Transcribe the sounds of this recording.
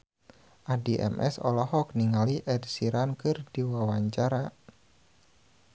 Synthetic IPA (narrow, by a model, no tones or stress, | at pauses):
ʔadiʔɛ̰mʔɛ̰sɔ̰lɔɦɔk̚niŋaliʔɛdsiɾankɨrdiwawaɲt͡ʃaɾa